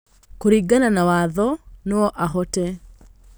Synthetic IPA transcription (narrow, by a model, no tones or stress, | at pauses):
koɾiɡananawaðɔnoɔʔaɦɔtɛ